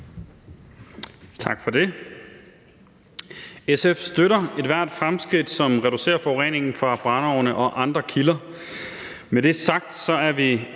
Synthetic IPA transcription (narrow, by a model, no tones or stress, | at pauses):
t͡sʰɑ̈ɡ̥fɒ̽d̥e̝ | esefsd̥øɾɐe̝d̥ʋæɐ̰d̥fʁamsɡ̥ʁid̥sɒ̽mʁɛd̥use̝̰ːɐfɒ̽ʊʁḛːne̝ŋn̩fʁɑ̈b̥ʁɑ̈nɒʊnəʔɒ̽ʔɑ̈nd̥ʁɐkʰilɐ | med̥e̝sɑ̈ɡ̥̚d̥sɒ̽æɐʋi